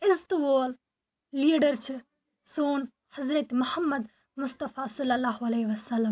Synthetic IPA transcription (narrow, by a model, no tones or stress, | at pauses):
ɪst̪ʋoːl | liːɖɐɾt͡ʃʰi | soːn | hɐzɾɐt̪mʊhɐmːɐd̪ | mʊst̪ɐfaːsɐlːɐlːaːɦɐleːʋɐsɐlːɐm